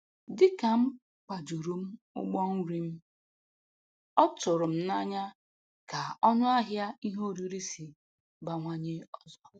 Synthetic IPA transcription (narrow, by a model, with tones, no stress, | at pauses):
dɪ˦ka˨m̩˦ | k͡pa˨d͡ʒu˨ɾu˦m̩˦ | ʊ̰˦ɡ͡bɔ˦ŋ̩˦ɾi˦m̩˦ | ɔ˦tʊ˨ɾʊ˨m̩˦na˦ɲa˦ | ka˨ɔ˦ɲʊ˦a˦ɦja˦i˦ɦo˦˨ɾi˦ɾi˦si˨ | ba˨ŋʷa˦ɲe˦ɔ˦zɔ˦